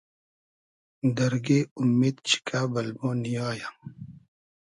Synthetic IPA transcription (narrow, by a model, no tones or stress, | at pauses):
d̪ɐɾɡeːumːeːd̪t͡ɕʰi̥kaːbɐlbõːnijaːja